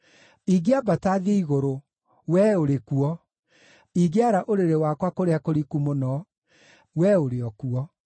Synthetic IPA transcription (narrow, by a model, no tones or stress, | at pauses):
iɡeabataðeiɣoɾo | wɛoɾekuɔ | iɣeaɾaʔoɾeɾewakwakoɾeakoɾikumonɔ | wɛoɾeɔkuɔ